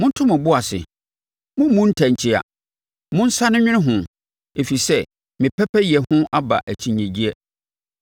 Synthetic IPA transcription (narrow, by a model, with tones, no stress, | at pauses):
mʊ̃˦n̩˦tʰʊ˦mʊ̃˨bʊ˦a˨sɪ̰˨ | mʊ̃˦mũ˦n̩˦tʰæ̃˨ɲ˨t͡ɕʰɪ˦a̰˨ | mʊ̃˦n̩˦sa˦nʊ̃˦ɲᶣɪ̃˦ɪ̃˦ɦʊ̃˨ | e˨fi˨sɛ˦ | mɪ̃˨pʰɛ˦pʰɛ˦jɛ˨hʊ̃˦ʔa˦ba̰˨ʔæ˨t͡ɕʰĩ˨ɲɛ̃˨d͡ʑi˦ɛ˦